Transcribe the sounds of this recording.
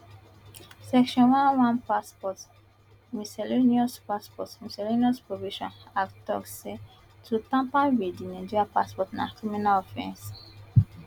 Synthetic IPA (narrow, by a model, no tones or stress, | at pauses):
sɛkʃɔ̃nwãnwãnpaspɔt | misɛleniɔspaspɔ̰tmisɛloniɔspɹoviʃɔ̰̃naktɔ̰kse | tʰutãmpãwedinãd͡ʒiɹapa̰spɔtna̰kɹimĩnaɔfɛ̰̃ns